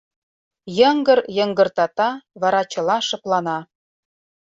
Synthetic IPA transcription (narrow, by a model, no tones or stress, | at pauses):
jɤ̆ŋɡɤ̆ɾjɤ̆ŋɡɤ̆rt̪ɑt̪ɑβɑɾɑt͡ɕɤ̆lˠɑʃɤ̆plˠɑnɑ